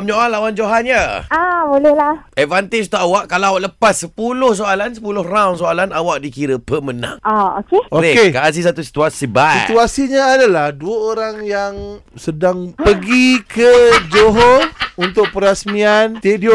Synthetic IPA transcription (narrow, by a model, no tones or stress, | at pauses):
mɲoʔalawand͡ʒoɦanjaabolɛhlaɛtvant̪ed͡ʒt̪uʔawaʔkalaawaʔləpasːəpulʊhs̬oalansəpulʊhrawnsoalanawaʔ̚dikiɾəpəmənã̰ŋaokeoeekaʔas̬isat̪usi̥t̪uasibait̪uasiɲaːdalahduəoɾaŋjaŋsədaŋpəɡikʰəd͡ʒoɦount̪ʊk̚pəɾasmiant̪edio